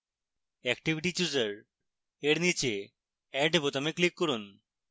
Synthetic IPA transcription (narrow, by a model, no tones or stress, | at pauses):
ɛkʈibʱiʈit͡ɕuzəɾ | eɾnit͡ɕe | ɛɖebɔt̪ameklikːɔɾun